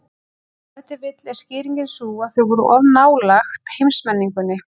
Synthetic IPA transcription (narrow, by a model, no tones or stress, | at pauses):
ɛht̪ɪɾvɪt̪lɛ̥scɪːɾiŋcɪnsuːaðθœɥvɔɾʏʔɔvnaːwlaxt̪hejmsmɛnːiŋkʏnːɪ